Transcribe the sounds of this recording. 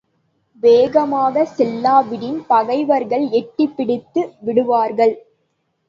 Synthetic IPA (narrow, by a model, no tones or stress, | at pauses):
ʋeːɣɐmaːɣɐsɛlːaːʋɪɽɪnpɐɣɐɪʋɐɾɣɐɭɛʈːɪpːɪɽɪt̪ːɯʋɪɽɯʋaːɾɣɐɭ